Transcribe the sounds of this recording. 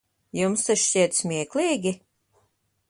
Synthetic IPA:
jumst̪aʃsʲiɛt̪smʲiɛkliːɡʲi

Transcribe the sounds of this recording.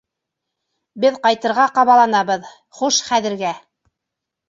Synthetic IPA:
bɘðqɑjt̪ɤ̆ɾʁɑqɑβɑlˠɑnɑβɤð | χuʃχæðɘ̆ɾɡæ

